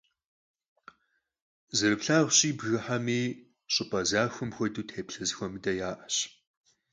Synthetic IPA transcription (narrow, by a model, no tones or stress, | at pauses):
zɨrɨpɬaːʁʷɕʼiːbɣɐħamiː | ɕʼɪpʼɐzaːxʷʊmxʷɔduːtʰeːpɬɐzxʷɔmɨdɐjaːʔɐɕ